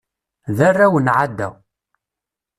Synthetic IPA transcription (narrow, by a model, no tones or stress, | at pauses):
ðarːæwənʕad̪ːæ̰